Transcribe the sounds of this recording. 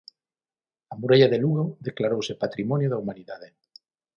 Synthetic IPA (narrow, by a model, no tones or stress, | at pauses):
amuɾaʎaðeluɣoðeklaɾowsepat̪ɾimɔnjoðɐumaniðaðe